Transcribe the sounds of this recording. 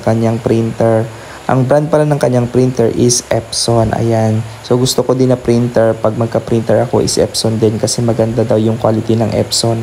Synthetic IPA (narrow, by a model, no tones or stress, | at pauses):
kɐɲːaŋpɾint̪ɛɹ | ʔɐ̰ŋbɾand̪̚pɐlanɐŋkɐɲːaŋpɾint̪ɛɹʔɪsʔɛpsonʔɐ̰jan | soɡʊst̪okod̪ɪnɐpɾint̪ɛɹpɐɡ̚mɐɡ̚kɐpɾint̪ɛɹɐko̞̰ʔɪ̰sʔɛ̰psond̪ɛnkɐsɛmɐɡɐnd̪ad̪awjʊŋkwa̰lɪt̪inɐŋʔɛ̰pson